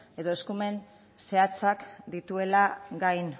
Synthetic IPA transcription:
e̞ðo̞eskume̞n | se̞at͡sakd̪it̪ue̞laɡajn

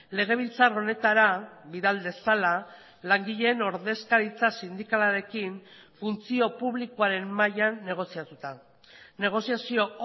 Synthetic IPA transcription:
le̞ɣ̞e̞β̞ilt͡saro̞ne̞t̪aɾaβiðald̪e̞sala | laŋɡiʎe̞no̞ɾðe̞skaɾit͡sasind̪ikalaɾe̞kiɱfunt͡sio̞puβlikoaɾe̞mːajanːe̞ɣ̞o̞siat̪ut̪a | ne̞ɣ̞o̞siasio̞

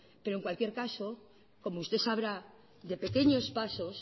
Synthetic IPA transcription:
pe̞ɾoe̞ŋkwalkje̞ɾkaso̞ | ko̞moust̪e̞saβ̞ɾa | d̪e̞pe̞ke̞ɲo̞spaso̞s

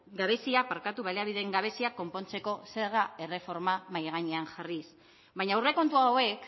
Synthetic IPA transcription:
ɡaβ̞e̞siapaɾkat̪uβaleaβiðe̞ŋɡaβ̞e̞siakːo̞mpo̞nt͡se̞ko̞se̞ɾɣae̞re̞fo̞ɾmamajɣ̞aɲeaŋʝaris | βaɲawre̞ko̞nt̪uaowe̞k

